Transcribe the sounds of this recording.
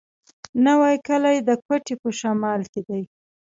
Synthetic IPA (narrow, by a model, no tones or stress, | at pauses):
nawajkəlajd̪əkwaʈepəʃamɑlked̪aj